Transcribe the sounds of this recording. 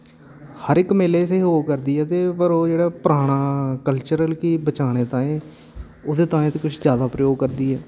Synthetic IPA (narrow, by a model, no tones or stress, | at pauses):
həɾɪkmeːleːseːɦoːkəɾd̪iːɛːt̪eːpəɾoːd͡ʒeːɽaːpəɾaːɽ̃aːkəlt͡ʃəɾəlkiːbət͡ʃaːɽ̃eːt̪ãːẽː | oːd̪eːt̪ãːẽːt̪eːkʊt͡ʃʰd͡ʒjaːd̪aːpɾəjoːɡ̚kəɾd̪iːɛː